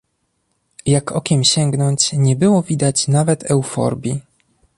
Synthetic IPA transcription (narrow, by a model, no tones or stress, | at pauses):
jakʰɔkʲɛmɕɛŋɡnɔɲt͡ɕɲɛbɘwɔvʲid̪at͡ɕnavɛt̪ʰɛwfɔ̰ɾbʲji